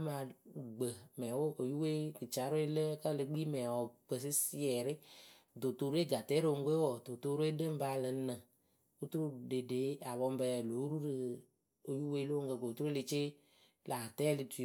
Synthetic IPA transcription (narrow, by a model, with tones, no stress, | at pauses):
a˦ma˧˨ɡ͡bə˨mɛ˨wo˦ʔo˨ju˦we˦kɨ˨t͡ʃa˨˦ɾo˦e˦lə˦kə˦˨lɨ˧ɡ͡bi˦mɛ˨wɔ˨k͡pə˨s̬i˦si˦ɛ˨ɾɪ˦ | do˨to˧ɾe˦ɡa˨tɛ˦ɾo˦o˧˨ŋ˦ɡo˦wɔ˨do˨to˧ɾe˦də˦m̩˦ba˧˦˨lə˨˦nə̃˨ | u˦t̪u˦ɾu˦de˨de˨˦a˨βɔ˧m˦bɛ˧lo˨˦ɾu˦ɾɨ˨ | o˨ju˦we˦˧˦lo˦ŋ̩˦ɡə˧˨ko˨u˨tu˦ɾu˦lɪ˧t͡ʃɪ˦ | la˨tɛ˦lɪ˧tu˨